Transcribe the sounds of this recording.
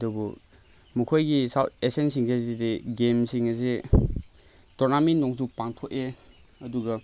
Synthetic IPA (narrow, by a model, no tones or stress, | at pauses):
dɔbu | mukʰojɡisawesensiŋzazideɡemsiŋɐze | tɔɾnaminːɔŋsupaŋtʰoʔe | ɐduɡɐ